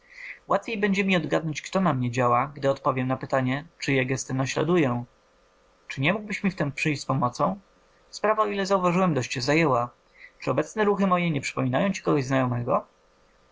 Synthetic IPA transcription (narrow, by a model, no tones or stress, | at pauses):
wat̪fʲjejbɛɲd͡ʑɛmʲiɔd̪ɡad̪nɔ̃ɲt͡ɕkt̪ɔnamɲɛd͡ʑawaɡd̪ɘɔt̪pɔvʲjɛmnapɘt̪aɲɛt͡ʂɘjɛɡɛst̪ɛnaɕla̰d̪ujɛ | t͡ʂɘɲɛmuɡ̚bɘɕmʲift̪ɛmpʂɘjɕt͡ɕʲspɔmɔt̪sɔ̃w̃ | spɾavaɔilɛzauvaʐɨwɛmd̪ɔɕt͡ɕːɕɛzajɛwa | t͡ʂɨɔbɛt̪snɛɾuxɘmɔjɛɲɛpʂɘ̥pɔmʲinajɔ̃w̃t͡ɕi̥kɔɡɔʑznajɔmɛɡɔ